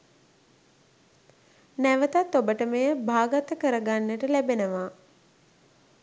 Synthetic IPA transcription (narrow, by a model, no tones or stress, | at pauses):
næʋət̪at̪ːobəʈəməjəbʱaːɡat̪əkəɾəɡanːəʈəlæbenəʋaː